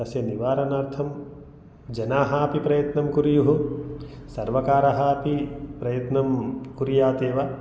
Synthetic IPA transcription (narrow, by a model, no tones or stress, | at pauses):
ɐsjɐniʋaːɾɐnaːɾt̪ʰɐm | d͡ʒɐnaːɦaːpipɾɐjɐt̪nɐmkuɾijuɦu | sɐɾʋɐkaːɾɐɦɐːpipɾɐjɐt̪nɐmkuɾijaːt̪eːʋɐ